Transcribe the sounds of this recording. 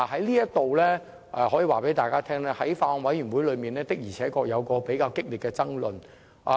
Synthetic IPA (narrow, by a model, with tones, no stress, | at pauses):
hɐ˨˥jliː˥jɐ˥tt̪o˨wlɛː˥ | ʔɛː˨˧hɔː˨˥jiː˨˧waː˨˩pe˨˥jt̪aː˨jkaː˥t̪ʰɛː˥ŋlɛː˥hɐ˨˥jfaː˧ɔ˨˧ŋwɐ˨˥jy˨˩nwu˨˥jlɵ˨˧ɥmiː˨˩nlɛː˥t̪ɪ˥k̚jiː˨˩t͡sʰɛː˨˥kɔː˧k̚jɐ˨˧wkɔː˧pe˨˥jkaː˧wkɪ˥k̚liː˨t̚kɛː˧t͡sɐ˥ŋlɵ˨n | ʔa˨